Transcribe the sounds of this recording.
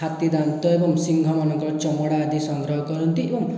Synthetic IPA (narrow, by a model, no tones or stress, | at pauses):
at̪id̪ant̪ɔebɔmsiŋɡʱɔmanɔŋkɔɾɔt͡ʃɔmɔɽaːd̪ʱisɔŋɡɾɔɦɔkɔɾɔnt̪iebʌŋ